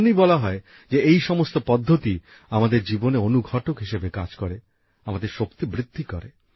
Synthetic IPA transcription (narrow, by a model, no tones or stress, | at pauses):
nibɔlaɦɔe | d͡ʑeejʃɔmost̪opɔd̪ʱːot̪i | amad̪eɾd͡ʑiboneonuɡʱɔʈokɦiʃebeka̰d͡ʑkoɾe | amad̪eɾʃokt̪ibɾid̪ʱːikɔɾe